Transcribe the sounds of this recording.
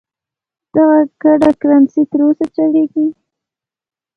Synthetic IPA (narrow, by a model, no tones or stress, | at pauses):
d̪̥aɣakaɖakɾansit̪əɾosat͡ʃaɽeɡi